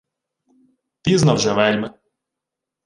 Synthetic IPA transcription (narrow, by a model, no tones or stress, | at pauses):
piznɐwʒɛʋɛlʲmɪ